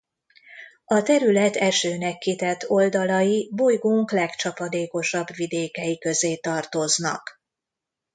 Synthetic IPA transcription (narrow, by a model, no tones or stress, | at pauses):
ɒt̪ɛɾylɛt̪ʰɛʃøːnɛkːit̪ɛt̪ʰːo̞ld̪ɒlɒjibojɡoːŋklɛkt͡ʃɒpɒd̪eːko̞ʃɒbʋid̪eːkɛjikø̞zeːt̪ɒrt̪o̞znɒ̰k